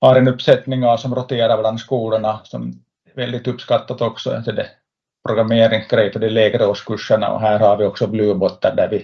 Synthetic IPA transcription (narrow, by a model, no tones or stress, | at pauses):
hɑɾɛnɵpːsɛt̪nɪŋasɔmɾɔt̪eːɾaɾblɑnskuːləɳasɔm | ɛvɛld̪ɪt̪ɵpːskɑt̪ːat̪ɔksɔɛ̰nsɔd̪ɛ | pʰɾɔɡɾameːɾɪŋsɡɾɛjt̪əd̪ɛleːɡɾoːskɵʂːəɳa̰ɔ̰ɦæːɾhɑɾʋɪɔksɔblʉːbɔt̪ːɑɾd̪æɾʋɪ